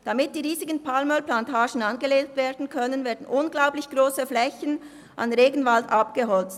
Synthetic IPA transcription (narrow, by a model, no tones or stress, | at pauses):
d̥amɪt̚d̥iːʁiːzɪɡən̩pʰalmœlplantʰaːʃn̩ɑnɡəleːktveːɐdn̩kʰœnənveːɐdn̩ʔʊnɡlaʊplɪçɡ̥ʁoːsəflɛçən | ʔa̰nʁeːɡn̩valdapɡ̥əɦɔlt͡s